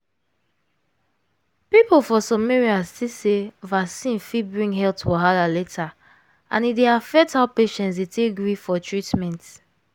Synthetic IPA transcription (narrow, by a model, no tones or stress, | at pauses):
pipolfɔsɔmeɹiastisevasĩnfibɹĩŋɡɦɛltfɔɦalaletʰa | ʔã̰nideafɛk̚thaʊpeʃɛ̃ntsdetʰeɡɹifɔtʰɹitmɛ̃nt